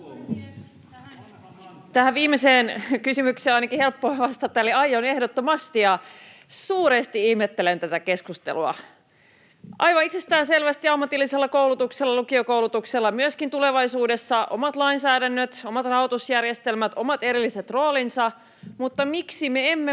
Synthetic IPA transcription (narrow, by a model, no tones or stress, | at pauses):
t̪æhæʋʋiːmeseːnkysymykseːnɑinɑkihe̞lpːoeʋɑst̪ɑt̪ːæoliɑjone̞hdot̪ːomɑst̪ijɑsuːɾest̪iihmet̪ːelent̪æt̪æke̞skust̪ḛluɑ̰ | ʔɑjʋɑit̪sest̪æːnse̞lʋæst̪iɑmːɑt̪ilːiselːɑkoulut̪ukselːɑlukiokowlut̪ukselːɑmyøskint̪ule̞ʋɑisuːde̞sːɑʔomɑt̪lɑinsæːdænːøt̪o̞mɑt̪rɑhot̪usjærjest̪e̞lmæt̪o̞mɑt̪e̞ɾilːiset̪ro̞ːlinsɑ | mut̪ːɑmiksimeemːe